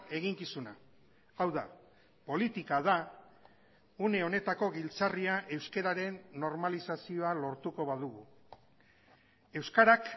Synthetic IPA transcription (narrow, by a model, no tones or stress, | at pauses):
e̞ɣiŋkisuna | awða | po̞lit̪ikað̞a | une̞o̞ne̞t̪ako̞ɣilt͡sariaʔe̞wske̞ɾaɾe̞nːo̞ɾmalisasio̞alo̞ɾt̪uko̞βað̞uɣu | e̞wskaɾak